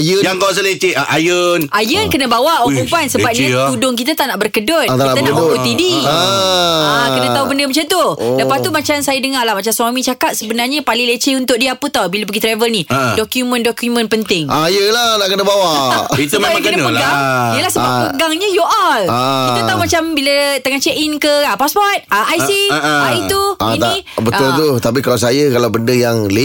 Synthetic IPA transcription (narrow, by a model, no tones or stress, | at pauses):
jjaŋkaas̬əlet͡ʃeʔajənʔajənkənə̃bawaʔokuŋpansəbap̚ɲiudʊŋk̬it̪at̪aʔnaʔbərkədot̪̚t̪ianabəkut̪idi | kənə̃t̪aubəndəmat͡ʃant̪udapat̪umat͡ʃamsajadəŋalahmat͡ʃamswamĩt͡ʃakat̪̚səbənarɲapalilet͡ʃeunt̪ʊʔ̚diəapət̪awbilap̬əɡit̪ɾavəlnidɔkjumə̃ndɔkjumə̃npənt̪ɪŋʔajəlanaʔkənəbawait̪umkənənpəɡaŋijəlahsəbaəɡaŋɲajoʔarkiut̪aumat͡ʃambilət̪əŋat͡ʃɛʔinkəapaspɔt̪̚aʔajsiait̪uainĩbəʊlt̪ut̪ap̬ikalaws̬ajəkalawbəndəjaŋle